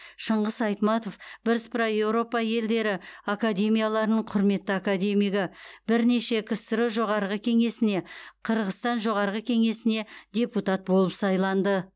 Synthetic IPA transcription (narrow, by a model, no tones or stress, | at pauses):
ʃəɴʁəzɑjt̪mɑt̪o̞fbɪɾɪspʰraje̞wɾo̞pɑje̞ld̪e̞ɾɪakad̪ʲe̞mijalˠɑɾənəɴqʰʊɾme̞t̪ːɪakad̪ʲe̞mijɡɪbɪɾne̞ʃe̞kʲʰɪst̪ɪɾɪʒo̞ʁɑɾʁəkʲʰe̞ŋe̞sɪne̞qʰəɾʁəst̪ɑnʒo̞ʁɑɾʁəkʲʰe̞ŋe̞sɪne̞d̪ʲe̞put̪ɑt̪̚bo̞lˠəpsɑjlˠɑnd̪ə